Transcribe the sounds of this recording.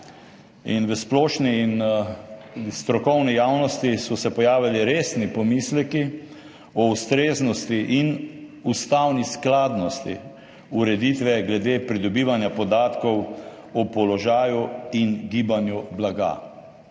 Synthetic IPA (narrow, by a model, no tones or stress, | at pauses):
ḭnʋəsplɔːʃniːn | st̪ɾɔkɔwnɛjaːwnɔst̪isɔsɛpɔjaːʋiliɾeːsnipɔmislɛki | ɔust̪ɾeːznɔst̪iʔinust̪awnisklaːd̪nɔst̪ḭ | uɾɛd̪iːt̪ʋɛɡlɛd̪eːpɾid̪ɔbiːʋanjapɔd̪aːt̪kɔw | ɔpɔlɔʒaːjuinɡiːbanjublaɡa̰